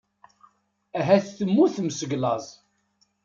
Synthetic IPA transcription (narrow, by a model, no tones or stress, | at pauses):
æɦæθθəmːuθməsəɡlɑzˤ